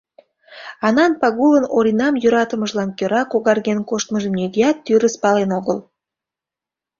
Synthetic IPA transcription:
ɑnɑnpɑɣulənoɾʲinɑmjuɾɑt̪əmə̆ʒlˠɑnkʲøɾɑkoɣɑrɣenkoʃt̪məʒəmnʲeɣʲiɑt̪ːyɾəspɑlenoɣəlˠ

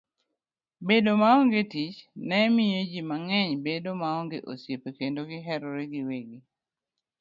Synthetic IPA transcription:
bedomaɔŋɡetit͡ʃnɛmɪjed͡ʒimaŋɛɲbedomaɔŋɡeʔosjepekendoɡɪɦɛɾɔɾeɡɪweɡi

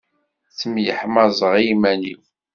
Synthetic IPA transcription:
θəmjəħmɑzˤəʁimænḭf

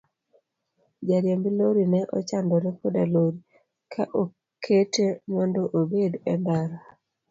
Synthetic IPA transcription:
d͡ʒaɾjembiloɾinɛʔɔ̰t͡ʃandɔɾɛkodaloɾi | kʰaʔo | kʰetemɔndɔʔobedɛndaɾa

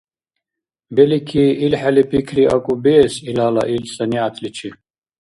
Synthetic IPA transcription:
bɛlikʰiːilħalipʰʼikʰɾia̰kʼubɛːsilaːlaʔilsaniat̪ʰlit͡ʃʰi

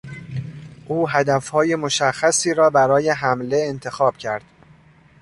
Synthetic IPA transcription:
ʔuːɦæd̪æfhɒːje̞mo̞ʃæxːæsiːɾɒːbæɾɒːje̞ɦæmle̞ːnt̪ʰe̞xɒːb̥cʰæɾd̪̥

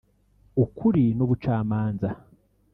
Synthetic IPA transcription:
ukʰuɾinoβut͡ʃaːmaːnza

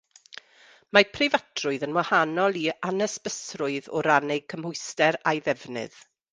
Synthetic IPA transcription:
mapʰrɪvatʰrʊɨðənwahanɔlˠianɛsb̥əsrʊɨðɔ̰ɾanɛkʰəmhʊɨstɛɾajðɛvnɨ̰ð̥

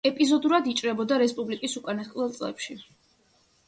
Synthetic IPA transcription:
ɛpʼizɔd̪uɾad̪it͡ʃʼɾɛbɔd̪aɾɛspʼublikʼisukʼanat̪kʼvɛlˠt̪sʼlɛ̰pʃi

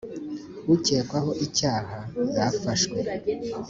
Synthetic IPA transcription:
wuceːkwaho̞ʔicaːhajafaʃkwe

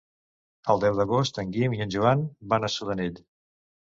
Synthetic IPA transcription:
əlˠd̪ɛwd̪əɣost̪əŋɡimiənʲʒuanbanəsuðənit̪

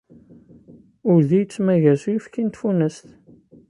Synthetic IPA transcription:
ʊɾðijt͡sːmæʝæsuifkint̪funəst̪

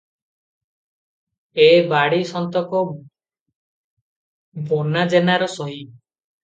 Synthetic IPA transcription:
ebaɽisɔnt̪ɔkɔ | bʱonad͡ʒenaɾɔsɔɦi

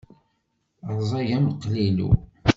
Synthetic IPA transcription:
ɾˤzˤɑʝæmqːlilṵ

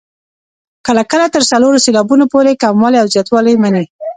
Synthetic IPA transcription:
kəlakəlat̪əɾsaloɾoselɑbunopoɾekamwɑleawzjɑt̪wɑləjmani

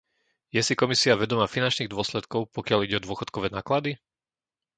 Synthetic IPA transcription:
jɛsikɔmisiaʋɛd̪ɔmaːfinant͡ʃniːɣd̪ʊɔslɛt̪kɔʊpɔkɪaliɟɛɔd̪ʊɔxɔ̥t̪kɔʋɛːnaːklad̪i

